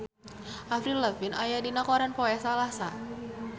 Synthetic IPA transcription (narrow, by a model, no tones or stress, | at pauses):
ʔafɾiləfɪnʔajadinakɔɾanpɔɛsalasa